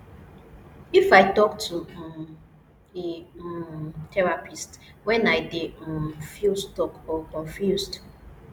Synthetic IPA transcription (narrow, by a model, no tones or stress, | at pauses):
ifaɪtɔk̚tʰu | e | tʰɛɹapistwɛ̃naɪdefilstɔkɔkɔ̃ɱfjusd